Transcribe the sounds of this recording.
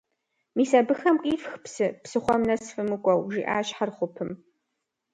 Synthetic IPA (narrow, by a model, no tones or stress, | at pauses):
miːsɐbɨxɐmkʼiːfxpsɨpsɨχʷɔmnɐsfɨmɨkʷʼɔwʒḭːʔa̰ːɕħarχʷʊpʰɨm